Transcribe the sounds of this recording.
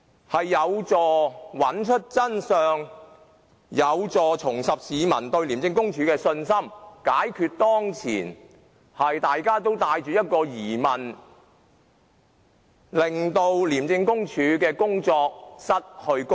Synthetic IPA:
hɐ˨jːɐ˨˧wt͡sɔː˨wɐ˨nt͡ʃʰɵ˥t̚t͡sɐ˥nsœː˨ŋ | jɐ˨˧wt͡sɔː˨t͡sʰʊ˨˩ŋsɐ˨p̚siː˨˧mɐ̰˨˩nt̪ɵ˧ɥli˨˩mt͡sɪ˧ŋkʊ˥ŋt͡ʃʰyː˨˧kɛː˧sɵ˧nsɐ˥mkaː˨˥jkʰyː˧t̚t̪ɔː˥ŋt͡sʰḭː˨˩n | hɐ˨jt̪aː˨jkaː˥t̪o˥wt̪aː˧jt͡ʃyː˨jɐ˥t̚kɔː˧jiː˨˩mɐ˨˩n | lɪ˨˩ŋt̪o˧wliː˨˩mt͡sɪ˧ŋkʊ˥ŋt͡ʃʰyː˨˥kɛː˧kʊ˥ŋt͡sɔː˧k̚sɐ˥t̚hɵ˧ɥkʊ˥

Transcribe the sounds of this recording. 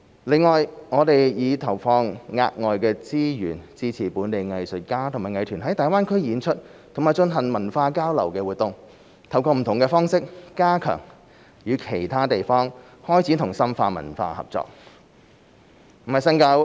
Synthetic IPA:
lɪ˨ŋːɔː˨jŋɔː˨˧t̪e˨jjiː˨˧t̪ʰɐ˨˩wfɔː˧ŋŋa̰ː˧t̚ŋɔː˨jkɛː˧t͡siː˥jy̰ː˨˩nt͡siː˥t͡sʰiː˨˩puː˨˧nt̪e˨jŋɐ˨jsɵ˨t̚kaː˥t̪ʰŋmaː˨˩ŋɐ˨˧jt̪ʰyː˨˩nɦɐ˨˥jt̪aː˨jwaː˥nkʰɵ˥ɥjiː˨˧nt͡ʃʰɵ˥t̚t̪ʰŋmaː˨˩jt͡ʃɵ˧nɦɐ˨˩ŋmɐ˨˩nfaː˧kaː˥wlɐ̰˨˩wkɛː˧wuː˨t̚t̪ʊ˨ŋ | t̪ʰɐ˨˩wkɔː˧m̩˨˩t̪ʰʊ˨ŋkɛː˧fɔː˥ŋsɪ˥k̚ːaː˥kʰœ̰ː˨˩ŋ | jyː˨˧kʰe˨˩jt̪ʰaː˥t̪e˨jfɔː˥ŋ | hɔː˥jt͡sʰiː˨˥t̪ʰʊ˨˩ŋsɐ˥mfaː˧mɐ̰˨˩nfa̰ː˧hɐ̰˨˩p̚t͡sɔ̰ː˧˨k̚ | m̩˨˩hɐ˨jsɐ˥ŋkɐ˧w

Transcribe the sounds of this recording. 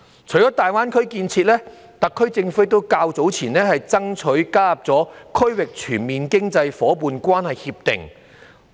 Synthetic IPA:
t͡ʃʰɵ˨˩t͡sɔː˨˥t̪aː˨jwaː˥nkʰɵ˥ɥkiː˧nt͡sʰiː˧t̚lɛː˥ | t̪ɐ˨kʰːɵ˥ɥt͡sɪ˧ŋfu˨˥t̪o˥wkaː˧wt͡so˨˥wt͡sʰiː˨˩nɛː˥ɦɐ˨jt͡sɐ˥ŋt͡ʃʰɵ˨˥ɥkaː˥jɐ˨p̚t͡sɔː˨˥kʰɵ˥ɥwɪ˨k̚t͡ʃʰyː˨˩nmiː˨nkɪ˥ŋt͡sɐ˧jfɔː˨˥puː˨˧nkʷaː˥nhɐ˨jhiː˧p̚t̪ɪ̰˨ŋ

